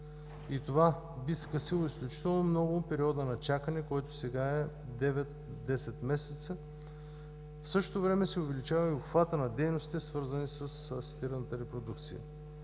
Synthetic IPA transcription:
it̪ova | biskəsilˠoisklʲut͡ʃi̥t̪ɛlˠnomnɔɡʊpɛɾiɔd̪ənɐt͡ʃakənɛkɔjt̪osɛɡaɛ | d̪ɛvɛt̪ | d̪ɛsɛt̪mɛsɛt̪sə | fsɤʃt̪ot̪ovɾɛmɛsɛʊvɛlit͡ʃavɐioxvat̪ənɐd̪ɛjnosit̪ɛsvɤɾzənisəsəsi̥t̪iɾənət̪əɾɛpɾod̪uk̚t̪sḭjə̰

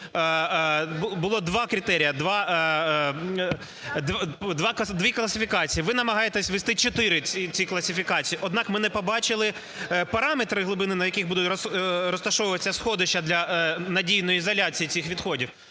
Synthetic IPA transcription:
bʊlˠɔd̪ʋɑkɾʲɪt̪ɛɾʲijɐd̪ʋɑ | d̪d̪ʋɑkd̪ʋʲiklˠɐsʲɪfʲikɑt͡sʲijiʋɪnɐmɐɦɑjet̪ɛsʲʋest̪ɪt͡ʃɔt̪ɪɾɪit͡sʲiklˠɐsʲɪfʲikɑt͡sʲijiʔɔd̪nɑkmɪnɛpɔbɑt͡ʃɪlˠɪ | pɐɾɑmet̪ɾɪɦlˠʊbɪnɪnɐjɐkiɣbud̪ʊtʲrɔrɔst̪ɐʃɔʋʊʋɐsʲɐsxɔd̪ɪʃt͡ʃːɐd̪lʲɐnɐdʲijnɔjiːzɐlʲat͡sʲijit͡sʲixʋʲid̪xɔdʲiw

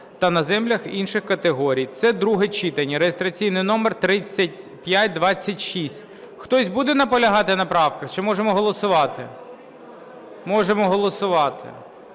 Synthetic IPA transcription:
t̪ɐnɐzɛmlʲɐxinʃɪxkɐt̪eɦɔɾʲijt̪sɛd̪ɾuɦɛt͡ʃit̪ɐnʲiɾejest̪ɾɐt͡sʲijnɪjnɔmert̪ɾɪt͡sʲːɐtʲ | pʲjat̚ʲd̪ʋɑt͡sʲːɐtʲʃisʲt̚ʲ | xt̪ɔsʲbud̪ɛnɐpɔlʲɐɦɑt̪ɪnɐpɾɑwkɐxt͡ʃɪmɔʒemɔɦɔlˠɔsʊʋɑt̪ɪ | mɔʒemɔɦɔlˠɔsʊʋɑt̪ɪ̰

